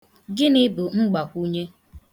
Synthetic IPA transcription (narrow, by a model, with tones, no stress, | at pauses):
ɡɪ˦nɪ˦bʊ˨ŋ͡m̩˦ɡ͡ba˨kʷu˦ɲe˦